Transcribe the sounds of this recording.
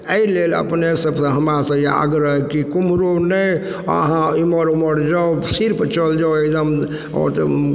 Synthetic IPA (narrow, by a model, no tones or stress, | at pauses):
əilelə̰pnesəbsə̃ɦəmɾasə̃jea̰ɡɾəɦekikumɾonəj | əɦãiməɾuməɾd͡ʒaosiɾpət͡ʃʰəld͡ʒawekd̪əm | ɔ̰ɾt̪